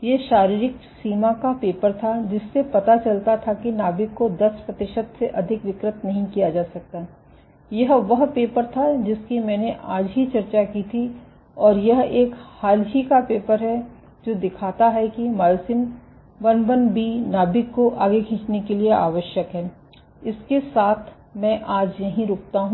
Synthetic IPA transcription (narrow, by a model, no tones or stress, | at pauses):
jeʃaːɾiːɾɪksiːmakapeːpəɾt̪ʰad͡ʒɪsːepɐt̪at͡ʃɐlt̪at̪ʰakinaːbɪkːod̪ɐspɾɐt̪ɪʃəd̪seʔɐd̪ʱɪkʋɪkɾɪt̪nɐɦĩkijad͡ʒaːsɐk̚t̪aɦɛ | jɐɦʋɐɦpeːpəɾt̪ʰad͡ʒɪskimɛ̃ːneʔaːd͡ʒɦit͡ʃɐɾt͡ʃakit̪ʰi | ɔːɾjɐɦeːkhaːlɦikapeːpəɾɦɛ | d͡ʒoːd̪ɪkʰaːt̪aɦɛkimaːjsɪn | ʋɐnbənbʱinaːbɪkːoʔaːɡekʰĩːt͡ʃnekelieʔaːʋəʃjəkɦɛː | ɪskesaːt̪ʰ | mɛ̃ːʔaːd͡ʒjɐɦĩɾʊːk̚ʰt̪aɦũ